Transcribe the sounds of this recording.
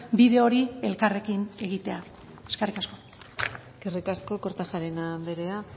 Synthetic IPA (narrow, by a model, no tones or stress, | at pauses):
biðe̞o̞ɾie̞lkare̞kine̞ɣit̪e̞a | e̞skerikasko̞ | ɡ̥erikasko̞koɾt̪aʝaɾenabe̞ɾe̞a